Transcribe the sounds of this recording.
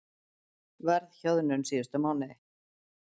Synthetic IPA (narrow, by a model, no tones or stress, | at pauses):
vɛɾðçɔðnʏnsiːʏst̪amawnɪ